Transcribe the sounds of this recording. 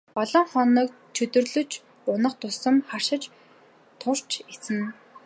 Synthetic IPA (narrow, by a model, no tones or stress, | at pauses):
pɔɮɞ̆ŋχɔnɞ̆ːk̚ | t͡ɕʰɵt̪ɵ̆rɮɵ̆t͡ɕ | ʊnə̆χt̪ʰʊsə̆mχar̥ʃɪ̆t͡ɕ | t̪ʰʊr̥t͡ɕit͡sɘ̆n